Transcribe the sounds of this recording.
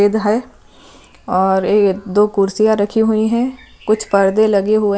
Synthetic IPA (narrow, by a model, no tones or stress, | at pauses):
eːd̪ɦɛ | ɔːɾeːkd̪oːkʊɾsijaɾɐkʰiɦʊiɦɛ̃ | kʊt͡ʃʰpɐɾd̪elɐɡeɦʊe